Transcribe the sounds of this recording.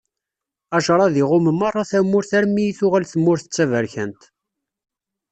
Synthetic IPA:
æʃɾˤɑðiʁʊməmɑrˤːɑθæmːʊɾθæɾmijiθʊʁælθəmːʊɾθə̥t͡sːævæɾçənt̪

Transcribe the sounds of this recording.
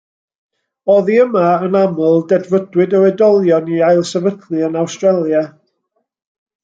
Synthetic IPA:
ɔðiəmaənamʊlˠdɛdvədwɨdəwɛdɔlˠjɔniajlˠsɛvədlɨənawstrɛlˠja

